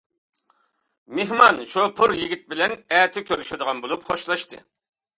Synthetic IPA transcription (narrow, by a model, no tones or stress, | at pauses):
meɦmɑnʃupʰuɾjiɡʲit̪̚bɪlɛnɛːt̪ʰɪkʲʰøɾyʃɪd̪əʁɑnbolˠupχoʃlˠɑʃt̪ɨ̰